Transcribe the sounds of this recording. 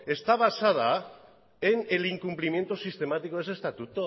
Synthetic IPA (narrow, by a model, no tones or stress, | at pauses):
e̞st̪aβ̞asað̞a | eneliŋkumplimje̞nt̪osist̪e̞mat̪iko̞esest̪at̪ut̪o